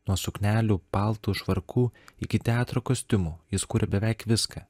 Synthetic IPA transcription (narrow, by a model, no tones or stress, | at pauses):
nuɔsʊknʲæːlʲuːpɑlˠt̪uːʃʋɐɾkʰuːɪkʲɪt̪ʲɛɑːt̪ɾoːkosʲt̪ʲʊmuːjɪskuːɾʲɛbʲɛʋʲæˑɪkʋʲɪskɐː